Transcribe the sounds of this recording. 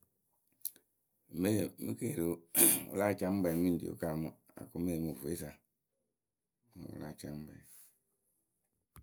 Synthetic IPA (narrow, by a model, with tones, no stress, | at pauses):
me˦˨mṵ˦ke˦˨ɾi˨ṵ˨la˦˨t͡ʃa˦m˦be˨mi˦n˨dḭ˨o̰˨ka˦˨mu˨˦ | a̰˨ku˦me˦˨mu˨vu˨e˦sa˨˦˨ | ṵ˨la˦˨t͡ʃa˨m̩˦bɛ̰˨